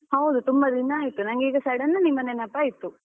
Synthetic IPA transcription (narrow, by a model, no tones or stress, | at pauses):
hɐwd̪ut̪umbɐd̪ʱinːɐːjit̪unɐŋɡiːɡɐsɐɽɐnːɐnimːɐnenɐpːaːjit̪ːu